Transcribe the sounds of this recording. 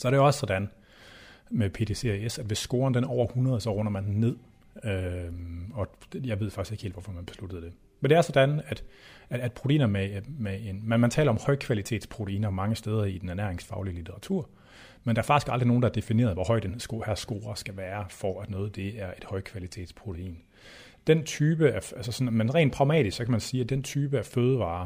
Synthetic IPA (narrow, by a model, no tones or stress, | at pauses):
sɒɐɾejoɒsə̥sɒ̽d̥æn | mepʰe̝ːt͡sʰese̝esæd̥ʋe̝sːɡ̥o̝ːɐndenæɐɒ̰ʊ̰ɐhunʁɐð̞ˠsɒ̽ʁɔ̽nɐmænd̥en̩ːe̝ð̰ˠ | ø | ɒ̥̽jɑɪʋe̝ð̞̰ˠfɑ̈ɡ̥ise̝ɡ̥e̝ːld̥ʋɒfɒ̽mænb̥e̝slud̥əð̞̩ˠd̥e̝ | mend̥e̝æɐsɒ̽d̥ænæd̥ːd̥̚pʰʁ̥o̝t͡sʰeḭːnɐmemee̝nmænmænt͡sʰɛ̰ːlɐɒ̽mhɒɪkʰʋælit͡sʰe̝ːd̥spʰʁo̝t͡sʰe̝ḭːnɐmɑ̈ŋəsd̥eːð̞ˠɐid̥enæɐnæɐ̰eŋsfɑ̈ʊliəlit͡sʰeʁɑ̈t͡sʰuɐ̰ | mend̥ɑæɐfɑ̈ɡ̥isɡ̥ɑ̈ld̥ʁio̝ːn̩dɑæɐd̥e̝fine̝ːɐð̞ˠʋɒhɒ̽ɪ̰d̥ensɡ̥ohæɐsɡ̥o̝ːɐsɡ̥æʋæːɐfɒæd̥nɔ̽ːð̩ˠd̥e̝æɐe̝d̥hɒ̽ɪ̰kʰʋælit͡sʰe̝̰ːd̥spʰʁo̝t͡sʰe̝ḭːn | d̥ent͡sʰyːb̥əæʔælsəsɒ̽nmenʁɛ̰ːnd̥̚pʰʁɑ̈ʊmɛ̰ːd̥isɡ̥sɒ̽kʰæmænsiːæd̥ent͡sʰyːb̥əæføːð̞ˠəʋɑ̰̈ː